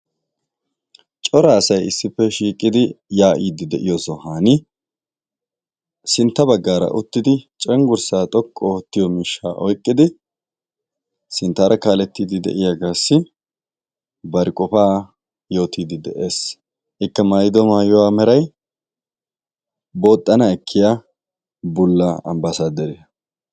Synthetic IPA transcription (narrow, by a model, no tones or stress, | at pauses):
t͡ʃʼɔɾɐːsɐjɪsːɪpːɛʃiːkʼɪd̪ɪjaːʔiːd̪ɪd̪ɛʔɪjɔsɔhaːnɪ | sɪnt̪ːɐbɐɡːaːɾɐ̰ʔʊt̪ːɪd̪ɪt͡ʃʼɛŋɡʊɾsaːt̪ʼɔkʼːɔɔt̪ːɪjɔmɪʃːaːʔɔjkʼːɪd̪ɪ | sɪnt̪ːaːɾʔɐkaːlɛt̪ːiːd̪ɪd̪ɛ̰ʔɪjaɡaːsːɪ | bɐɾɪkʼɔfaː | jo̞ːt̪iːd̪ɪd̪ɛʔeːs | ʔɪkːɐmajd̪ɔmaːjɔwaːmɛɾɐj | boːt̪ʼːɐnɐɛkʰːɪja | bʊlːɐɐ̰mbɐsaːd̪ɛɾɪjɐ